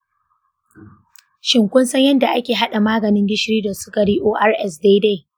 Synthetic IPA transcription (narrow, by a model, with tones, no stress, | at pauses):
ʃɪ˨ŋkʷʊ˦nsɐ˦ɲjɐ˦nda˨ʔa˦kʲeː˨ɦa˦ɗa˨maː˦ɡɐ˨nɪ˦ŋɡʲɪ˦ʃɾiː˦dɐ˨sʊ̥˦kɐ˨ɽiː˦ʔoː˦ʔa˦rʔɛ˦sdeː˦de˦˨